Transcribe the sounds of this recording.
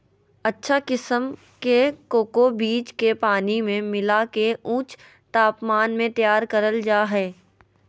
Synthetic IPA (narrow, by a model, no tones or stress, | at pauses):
ɐtːʃʰakɪsəm | kekoːkobiːt͡ʃkepaːnimẽmɪlakeũːt͡ʃ | t̪aːpmaːnmẽt̪jaːɾkɐɾəld͡ʒaːɦɛː